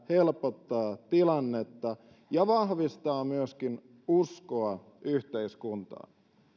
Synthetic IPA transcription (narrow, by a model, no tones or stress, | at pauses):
he̞lpot̪ːɑːt̪ilɑnːet̪ːɑ | jɑʋɑɦʋist̪ɑːmyøskin | uskoɑ | ʔyçt̪e̞iskunt̪ɑ̰ːn